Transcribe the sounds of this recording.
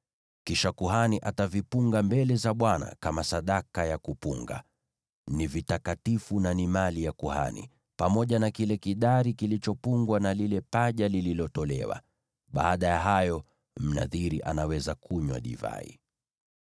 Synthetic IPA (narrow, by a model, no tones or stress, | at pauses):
kiʃakuɦaniʔatavipuŋɡambɛlɛzaɓwana̰kamasaɗakajakupuŋɡa̰ | nivitakatifunanimalijakuha̰nḭ | pamɔʄanakilɛkiɗaɾikilit͡ʃɔpuŋɡwanalilɛpaʄalililɔtɔlɛ̰wa̰ | ɓaːɗajaɦajɔ | m̩na̰ðiɾiʔa̰nawɛzakuɲwa̰ɗḭva̰ḭ